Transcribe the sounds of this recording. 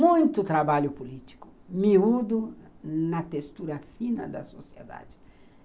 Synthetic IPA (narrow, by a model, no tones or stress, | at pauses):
mũj̃t̪ʊt̪ɾabaʎʊpulit̪i̥kʊ̥miud̪ʊnɐt̪est̪uɾɐfinɐ̰d̪ɐ̰sosied̪a̰d͡ʒɪ